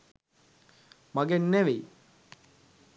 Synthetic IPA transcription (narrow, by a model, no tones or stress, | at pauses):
mɐɡenːeʋej